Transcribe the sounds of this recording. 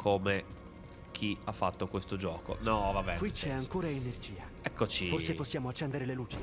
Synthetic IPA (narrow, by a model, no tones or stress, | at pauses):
kʰome | k̟ʰiafːat̪ːokwest̪od͡ʒɔːko̰nɔvabɛkwit͡ʃːɛaŋkoːɾaenerd͡ʒiːa | ɛkːot͡ʃiorseposːjaːmoat͡ʃːɛnd̪eɾeleluːt͡ʃi̥